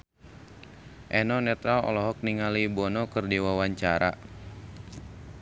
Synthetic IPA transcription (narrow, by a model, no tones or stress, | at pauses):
ʔɛnɔnɛt̪ɾalɔ̰lɔɦɔk̚niŋalibɔnɔkɨrdiwawaɲt͡ʃaɾa̰